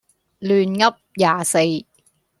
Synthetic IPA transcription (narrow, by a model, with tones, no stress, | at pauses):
lyː˨˧nŋɐ˥p̚jaː˨˩se˧j